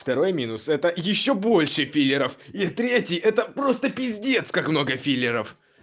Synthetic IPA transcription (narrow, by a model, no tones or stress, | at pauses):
ft̪ɐɾo̞jmʲinʊsɛt̪əjɪɕːobo̞lʲʂɨfʲilʲɪɾəfit̪ɾʲetʲɪjʔɛt̪əpɾo̞st̪əpʲɪzʲdʲe̞t̪skakmno̞ɡəfʲilʲɪɾəf